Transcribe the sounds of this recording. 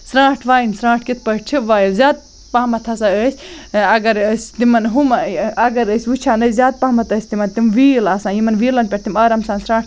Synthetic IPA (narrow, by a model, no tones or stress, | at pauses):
sɾãːʈʰʋaːinsɾãːʈ̚ʰkit̪̚ʰpɐʈt͡ʃʰiʋaːjilzʲaːd̪̚ | paːmɐt̪ʰɐsãəːsʲɐɡɐɾəsʲt̪imɐnɦumɐɐɡɐɾəsʲut͡ʃʰaːnəszʲaːd̪̚paːmɐt̪ɐːsʲt̪imɐnt̪imʋiːlaːsãːjimɐnʋiːlɐnpʲeʈ̚t̪ʰimɐɾɐmsãːnsɾãːʈʰ